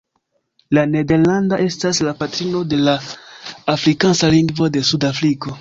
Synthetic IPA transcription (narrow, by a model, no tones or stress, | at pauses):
lane̞de̞ɾlandaʔe̞staslapatɾino̞de̞laː | fɾikansaliŋɡvo̞de̞sudafɾiko̞